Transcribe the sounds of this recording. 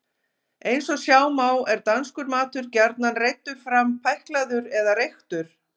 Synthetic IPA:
ejnsɔsjaːwmaːwɛɾt̪anskʏɾmaːt̪ʏɾcɛɾt̪nanrejt̪ːʏ̥fɾampʰɛjhklaðʏɾɛðaɾejxt̪ʏɾ̥

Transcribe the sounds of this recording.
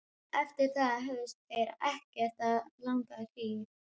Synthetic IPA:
ɛft̪ɪɾ̥θaðaɦœst̪ɛjɾɛhcɛɾ̥t̪alaŋkaɾiːɪ

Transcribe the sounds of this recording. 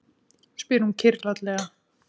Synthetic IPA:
spɪɾhuncʰɪɾlat̪lɛːɣa

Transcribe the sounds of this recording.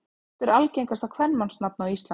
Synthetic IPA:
ɛt̪ɛɾalcejŋkast̪akʰvɛnmansnap̚nawist̪la

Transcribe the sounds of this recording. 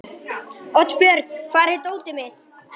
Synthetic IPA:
ɔt̪pjœɾkkʰvaːɾɪt̪oːwt̪ɪmɪð

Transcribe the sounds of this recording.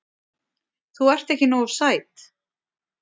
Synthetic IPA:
θuɛr̥t̪ehcɪnowɾ̥saːjt̪

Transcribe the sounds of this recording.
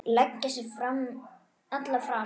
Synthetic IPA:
lɛcːasɪfɾam | at̪lafɾa

